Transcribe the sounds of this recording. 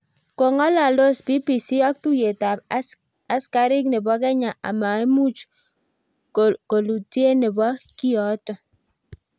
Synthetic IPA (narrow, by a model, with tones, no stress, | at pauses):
ko˨ŋɔ˦la˨lo˦sbi˦pi˨si˦ɔ˦k̚tu˦je˨ta˨p | a˦ska˦ɾi˦k̚ne˨bɔ˦k̬ɛ˦ɲa˨ʔa̰˨ma˨e˦mu˦t͡ʃ | kko˨lu˨ti˦e˦ne˨bɔ˦ki˦ɔ˨˦tɔ˨